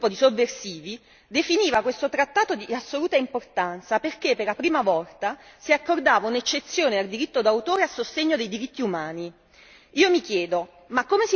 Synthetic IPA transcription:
pːod̪isovːersiːvi | d̪efiniːvakwest̪ot̪ɾat̪ːaːt̪od̪iasːoluːt̪aimport̪ant̪saperkepːerlapɾiːmavɔlt̪asiakːord̪aːvaunet͡ʃːet̪sːjoːneald̪iɾit̪ːod̪awt̪oːɾeasːost̪eɲːod̪ejd̪iɾit̪ːiumaːni | iːomikjɛːd̪o | makːomesi

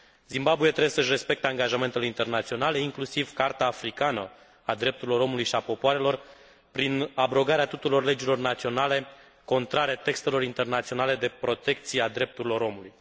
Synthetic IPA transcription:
zimbabujet̪ɾesəɨʃ̬re̞spe̞k̚t̪eaŋɡaʒame̞nt̪eleint̪e̞rnat̪sio̞nale̞iŋklusivkart̪aːfɾikanə | ad̪ɾe̞p̚t̪uɾilo̞ɾo̞mulujʃiapo̞poaɾe̞lo̞r | pɾinabɾo̞ɡaɾeat̪ut̪ulo̞rle̞d͡ʒilo̞rnat̪sio̞nale̞ | ko̞nt̪ɾaɾet̪e̞kst̪e̞lo̞ɾint̪e̞rnat̪sio̞nale̞d̪e̞pɾo̞t̪e̞k̚t̪siead̪ɾe̞p̚t̪uɾilo̞ɾo̞muluj

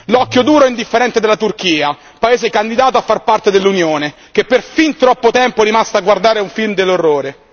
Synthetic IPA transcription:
lɔkːjod̪uːɾoɛind̪ifːeɾɛnt̪ed̪elat̪urkiːa | paeːzekand̪id̪aːt̪̬oafːarpart̪ed̪elːunjoːne | k̟epːerfint̪ɾɔpːot̪ɛmpoɛɾimast̪aɡward̪aːɾeuɱfilmd̪elːorːoːɾe

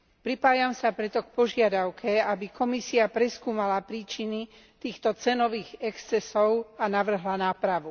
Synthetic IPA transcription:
pɾipaːjamsapɾɛt̪ɔk̚pɔʒɪad̪aʊkʰɛabikʰɔmisiapɾɛskuːmalapɾiːt͡ʃini | t̪iːxt̪ɔt͡sɛnɔʋiːɣɛkst͡sɛsɔʊanaʋr̩ɦlanaːpɾaʋu

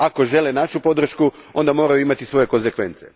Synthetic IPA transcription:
ako̞ʒe̞lenaʃupo̞d̪r̩ʃkuo̞̰nd̪amo̞ːɾajuimat̪isʋo̞je̞ko̞nze̞kʋe̞nt̪se̞̰

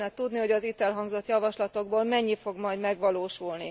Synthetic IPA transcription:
nɛt̪ud̪niho̞ɟɒzit̪ɛlɦɒŋɡzo̞t̪jɒvɒʃlɒt̪o̞ɡ̚boːlmɛɲːifo̞ɡmɒjdmɛɡʋɒloːʃulni

